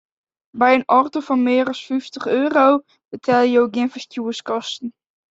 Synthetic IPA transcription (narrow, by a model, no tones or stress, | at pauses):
bɛjənɔrtəfɔnmɪːərɔsfyftəχøːrow | b̥ətʰɛlˠjəjowɡɪənfəstuəskɔstn̩